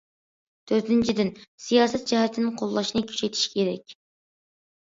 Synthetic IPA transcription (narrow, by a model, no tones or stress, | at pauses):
t̪ʰøɾt̪ɪnt͡ʃʰɪd̪ɪnsijɑːsɛt̪̚d͡ʒɛhɛt̪ʰɪnɪŋqʰolˠːɑʃinɨkʲʰy̥ʃet̪ʰɪ̥ʃi̥kʲʰeɾɛkʲ